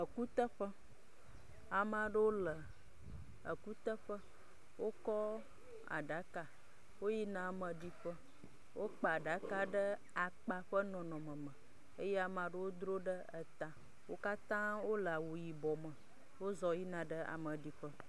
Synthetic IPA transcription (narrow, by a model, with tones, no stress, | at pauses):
ə˨ku˦t̪ə˦ɸə˦ | a˨m˦ã˨ɖə˦wo˦lə˨ | ə˨ku˦t̪ə˦ɸə˦ | wo˦kɔ˦ | a̰˨ɖa˨˦ka˨ | wo˦ji˦nã˨mə̃˨ɖi˨ɸə˦ | wʔo˦k͡pa˨a˨ɖa˨˦ka˦ɖə˦ | a˨k͡pa˨ɸə˦nɔ̃˨nɔ̃˨mə̃˨mə̃˨ | e˦je˦a˨mã˨ɖə˦wo˦d̪ɾo˦ɖə˦ə˨t̪a˨ | wo˦ka˦t̪ã˦wo˦lə˨a˨wo˨ji˨bɔ˨mə̃˨ | wo˦zɔ˨ji˦nã˨ɖə˦a̰˨mə̃˨ɖi˨ɸə˦